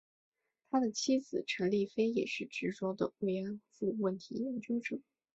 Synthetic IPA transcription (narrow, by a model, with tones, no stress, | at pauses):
t̪ʰa˥d̪ə˨t͡ɕʰi˥d͡zɹ̩˨˩ʈ͡ʂʰɤ˧˥ŋli˥˩fe˥ɪjɛ̰˨˩ʂɻ̩˥˩ʈ͡ʂɻ̩˧˥ʈ͡ʂo˥ʊd̪ə̰˧˨we˥˩ɪɛ˧˥nfu˥˧wə˥˩nt̪ʰi˧˥jɛ˧˥nt͡ɕy˥nʈ͡ʂɤ˨˩˦